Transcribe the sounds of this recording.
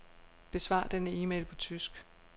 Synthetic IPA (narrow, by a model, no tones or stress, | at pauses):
b̥e̝sʋɑ̰̈ːd̥enəiːmḛlpʰɒ̽t͡sʰysɡ̥